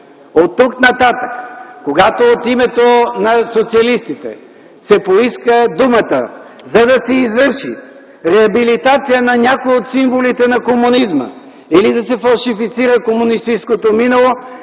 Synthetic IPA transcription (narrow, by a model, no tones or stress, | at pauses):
ot̪ːuknɐt̪at̪əkkoɡat̪oːt̪imɛt̪onɐsot̪siɐlist̪it̪ɛ̰ | sɛpoiskəd̪umət̪ə̰ | zɐd̪ɐsɛizvɤɾʃḭ | ɾɛɐbilit̪at̪sijənɐnʲakojot̪siɱvolit̪ɛnɐkomunizmə̰ | ilid̪ɐsɛfɐlˠʃifit̪siɾəkomʊnist̪it͡ʃskot̪ominɐlˠo